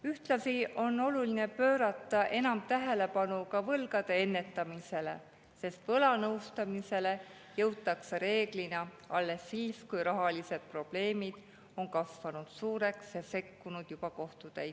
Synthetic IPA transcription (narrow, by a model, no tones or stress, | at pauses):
yht̪lɑsiʔo̞nːo̞luline̞pø̞ːɾɑt̪ːˑɑʔe̞nɑmt̪æɦe̞le̞pɑnukɑvɤlɡ̥ɑd̪̥e̞enːe̞t̪ːˑɑmise̞le̞̰ | se̞st̪vɤlɑnɤwst̪ɑmise̞le̞ | jɤwt̪ːˑɑkseɾe̞ːɡ̥linɑ | ɑlːe̞sːiːskujɾɑɦɑlise̞d̪̥̚pro̞b̥le̞ːmid̪̥ | o̞nkɑsvɑnud̪̥suːɾe̞ksjɑse̞kːunud̪̥jub̥ɑko̞ht̪ud̪̥æj